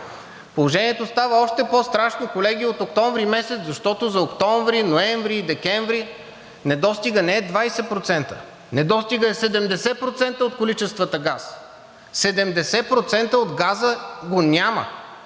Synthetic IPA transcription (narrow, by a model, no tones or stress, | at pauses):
polˠoʒɛniɛt̪ost̪avəɔʃt̪ɛpɔst̪ɾaʃnokolɛɡiot̪ok̚t̪ɔɱvɾimɛsɛt̪zɐʃt̪ɔt̪ozɐokt̪ɔɱvɾinoɛ̃ɱvɾid̪ɛkɛɱvɾi | nɛd̪ɔst̪iɡənɛɛd̪vajsɛpɾot̪sɛnt̪ə̰ | nɛd̪ɔst̪iɡəɛsɛd̪ɛmd̪ɛsɛpɾot̪sɛnt̪əot̪kolit͡ʃɛst̪vət̪əɡas | sɛd̪ɛmd̪ɛsɛpɾot̪sɛnt̪əod̪ɡazəɡonʲamə̰